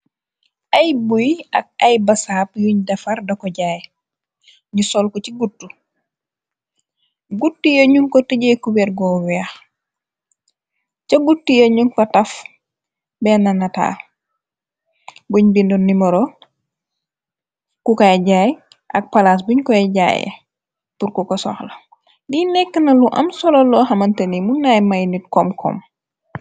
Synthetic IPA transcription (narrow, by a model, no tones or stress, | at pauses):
ajbuja̰k̚ajbasaːp̚juɲdɐfardɐkɔɟaj | ɲusɔlkociɡutːu | ɡutːujoɲuŋkotiɟejkubeɾɡɔwiax | caɡutːujoɲuŋkotɐf | bɛnɐnɐta̰ː | buɲbindɔnːimɐɾɔ | kukaɟaj | ʔɐk̚palas̬buɲkɔɛɟa̰jɐ̰ | puɾkukɔsɔ̰xlɐ | dinɛkːənɐluʔɐ̰msɔlɔlɔɦɐmɐntɐnimunːajmajnit̚kɔmkʰɔ̰m